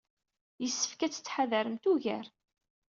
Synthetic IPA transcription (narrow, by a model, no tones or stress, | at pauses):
jəsːə̥fkæt͡sːə̥t͡sːħaðæɾəmt̪uʝæɾ